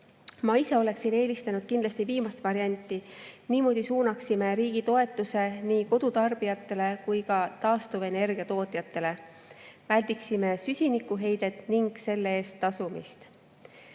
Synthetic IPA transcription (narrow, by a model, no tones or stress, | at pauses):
mɑise̞o̞le̞ksine̞ːlist̪enud̪̥kind̪lɑst̪iviːmɑst̪vɑɾiɑnʲt̪ːˑiniːmo̞ːd̪̥isuːnɑksime̞ɾiːɡ̥it̪o̞e̞t̪ːˑuse̞niːko̞d̪̥ut̪ɑrb̥ijɑt̪ːe̞le̞kujkɑt̪ɑːst̪uve̞ne̞rɡ̥iɑt̪o̞ːt̪jɑt̪ːˑe̞le̞ | vælʲd̪̥iksime̞sysʲinikːˑuɦe̞jd̪̥e̞t̪ˑniŋɡ̥se̞lːee̞ːst̪ːɑsumḭst̪